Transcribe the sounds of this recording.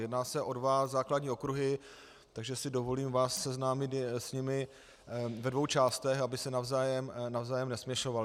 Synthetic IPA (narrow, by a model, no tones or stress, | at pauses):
jɛdnaːsɛʔo̞dvazaːkladɲiːo̞kɾuɦɪ | t̪aɡʒɛsɪdo̞vo̞liːmvaːsːɛznaːmɪt̪sɲɪmɪ | vɛdvo̞wt͡ʃaːst̪ɛxabɪsɛnavzaːjɛmnavzaːjɛmnɛsmɲɛʃo̞valɪ